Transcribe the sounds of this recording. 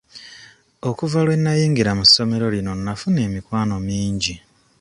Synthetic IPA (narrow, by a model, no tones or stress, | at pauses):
o̞kuvalwe̞nːajiːŋɡiɾamusːo̞me̞ɾo̞lino̞nːafune̞ːmikwaːno̞miːɲɟi